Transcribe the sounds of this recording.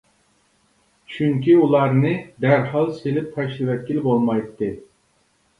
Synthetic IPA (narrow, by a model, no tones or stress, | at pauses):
t͡ʃʰyŋkʲʰiulˠɑɾnɨd̪æɾhɑlˠselɪp̚t̪ʰɑʃlɨvɛt̪̚kʲilɪbolˠmɑjt̪ːɨ